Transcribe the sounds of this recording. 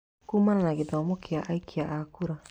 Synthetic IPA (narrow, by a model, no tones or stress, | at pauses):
kumananaɡɛd̪ɔmɔkiaʔajkʰiaʔakuɾa